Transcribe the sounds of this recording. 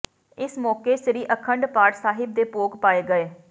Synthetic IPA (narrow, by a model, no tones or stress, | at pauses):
ɪsmɔːkeːʃɾiːʔəkʰəɳɖpaːɽsaːɦɪb̚d̪eːpoːɡpaːeːɡəeː